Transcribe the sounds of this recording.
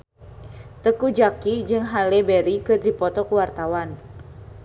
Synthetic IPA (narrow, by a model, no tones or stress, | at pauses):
t̪əkud͡ʒakid͡ʒɨŋɦalɛbɛɾikɨrdipɔt̪ɔkuwart̪awan